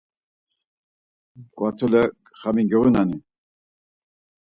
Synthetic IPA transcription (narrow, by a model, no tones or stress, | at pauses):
kʼwat̪ʰulɛ | χamiŋɡɛwunani